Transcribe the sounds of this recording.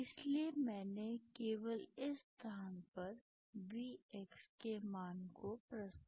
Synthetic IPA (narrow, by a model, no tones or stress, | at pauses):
ɪsliemɛ̃ːnekeːʋəlɪst̪ʰaːnpɐɾ | biːekskemaːnkopɾəst̪